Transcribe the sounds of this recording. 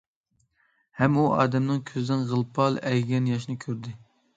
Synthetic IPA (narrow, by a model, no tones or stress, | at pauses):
hɛmuɑ̰ːd̪ɛmnɨŋkʲʰøzd̪ɪnʁəlˠpʰɑlˠɛjɡʲɛnjɑʃnɨkʲʰøɾd̪ɪ